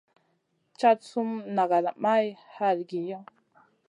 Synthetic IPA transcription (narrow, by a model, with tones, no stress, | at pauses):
t͡ʃa˦tt͡su˦mna˨ɡa˨la˨ma˦jha˦lɡi˨ja˦